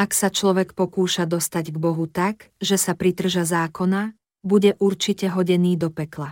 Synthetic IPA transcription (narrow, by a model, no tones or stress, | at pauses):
aksat͡ʃlɔʋɛkpɔkuːʃad̪ɔst̪aɟɡbɔɦut̪akʒɛsapɾit̪r̩ʒazaːkɔna | buɟɛʔuɾt͡ʃicɛɦɔɟɛniːd̪ɔpɛkla